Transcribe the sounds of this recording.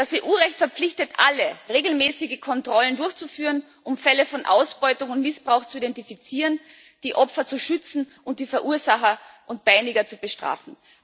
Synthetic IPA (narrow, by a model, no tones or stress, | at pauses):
d̥asiʔuːʁɛçtfɛɐp͡flɪçtətʔa̰ləʁeːɡl̩mɛːsɪɡəkʰɔntʁ̥ɔləndʊɐçt͡sufyːʁən | ʔʊmfɛləfɔnʔa̰ʊsb̥ɔʏtʊŋʊntmɪsb̥ʁaʊxt͡suidɛntifit͡siːʁən | d̥iːʔɔpfɐt͡suʃʏt͡sn̩ | ʊnt̚d̥iːfɛɐʔuːɐzaxɐʔʊnt̚b̥aɪnɪɡɐt͡sub̥əʃtʁ̥a̰ːfn̩